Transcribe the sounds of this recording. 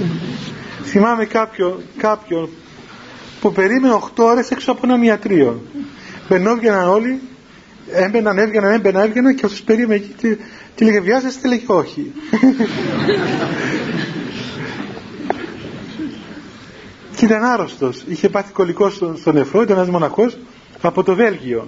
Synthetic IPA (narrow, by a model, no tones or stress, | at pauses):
θimɐme̞kɐpço̞nkɐpço̞n | pupe̞ɾime̞neo̞xt̪ooɾe̞seksoɐpoenɐmiɐt̪ɾio̞nbe̞nːo̞vʝenɐno̞li | embenɐne̞vʝenɐnembenɐe̞vʝenɐnceɐft̪ospe̞ɾimeneci̥t̪e | t̪ileɣeviɐzest̪eleceo̞çi | cit̪ɐnɐɾo̞st̪o̞siçepɐθi̥ko̞liko̞sost̪onefɾoit̪̬ɐenɐzmo̞nɐxo̞s | ɐpo̞t̪o̞ve̞lʝio̞